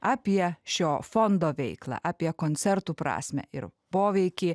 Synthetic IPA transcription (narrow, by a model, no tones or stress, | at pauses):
ɑːpʲiɛʃʲoːfɔnd̪oːʋʲɛɪklˠɑ̰ʔɑːpʲiɛkoːnʲt̪sʲɛɾt̪uːpɾɑ̰ːsʲmʲɛ̰ɪ̰ɾpoːʋʲɛɪkʲiː